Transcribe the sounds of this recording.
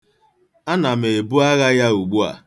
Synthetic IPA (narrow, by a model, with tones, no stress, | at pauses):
a˦na˨me˨e˨bʊ˦a˦ɣa˦ja˦u˨ɡ͡bu˦a̰˨